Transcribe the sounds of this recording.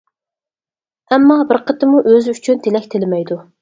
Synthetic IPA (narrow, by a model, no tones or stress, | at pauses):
ɛmːɑbɪɾqət̪ʰɪmuʔøzɪyt͡ʃʰynt̪ʰelɛkʲt̪ʰɪlɪmɛjd̪u